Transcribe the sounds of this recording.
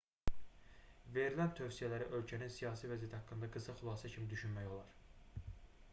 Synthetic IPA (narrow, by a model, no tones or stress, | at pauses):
ve̞ɾilænt̪ʰø̞vsijælæɾiʔø̞lcʰæninsijɑːsivæzijæt̪ihɑkːɯnd̪ɑɡɯsɑχylˠɑːsæcʰimid̪yʃynmæjo̞lˠɑɾ̥